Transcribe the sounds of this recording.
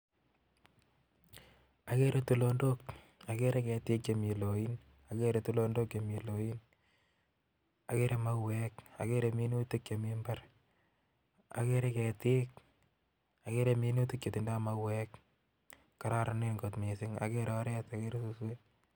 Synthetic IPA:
a˨ke˦ɾe˦tu˨lo˧ndok | a˨ke˦ɾe˦kɛ˨tɪ˦ke˨mi˨lo˨jin | a˨ke˦ɾe˨tu˦lo˧ndo˦kje˨mi˨lo˨i˦n | a˨ke˦ɾʔe˧ma˦wɛka̰˨ke˦ɾe˧mi˦nu˦ti˦kt͡ʃe˨mi˦mba˦ɾ | a̰˨ke˦ɾe˦kɛ˨tɪ˦k̚ | a˨ke˦ɾe˧mi˦nu˦ti˦k̚t͡ʃe˨t̪i˨nda˦ma˦wɛk | kːa˨ɾa˦ɾa˨ne˦nŋɡo˨t̪me˨sɪ˦ŋa̰˨ke˦ɾɔ˦ɾɛ˦ta˨ke˦ɾe˦su˦swe˦

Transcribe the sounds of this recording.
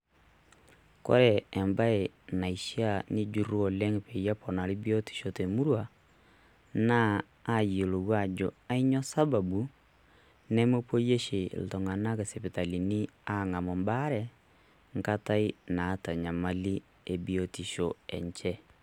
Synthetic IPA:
kɔ̰˦ɾɛː˨mba˦e˨na˨i˨ʃi˦a˨ni˦d͡ʒu˨ɾu˦ɔ˨lɛ˦ŋe˨pe˨ja˦pɔ˨na˨li˦bi˦ɔ˦ti̥˨ʃo˨te˨mu˦ɾwa˨ | naː˦ | jo˨lo˨ɣwa˨d͡ʒo˨a˦i˦ɲɔ˦sa˦ba˨bu˨ | nɛ˦mo˦po˦je˦ʃḛ˨l̩˨tɔ˨ŋa˨na˦ke˨sɛ˨pi˨ta˨li˨ni˦a˦ŋa˨mɔ˨mba˦ɾɛ˨ | ŋka˦ta˦i˦naː˨ta˨ɲa˨ma˦li˦ | e˨bi˨ɔti˨ʃo˨ɛ̰˨ɲt͡ʃɛ˦

